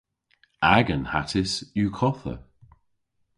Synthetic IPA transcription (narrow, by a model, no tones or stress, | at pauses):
aɡənha̰tʰɪsjuːkʰɔθə̰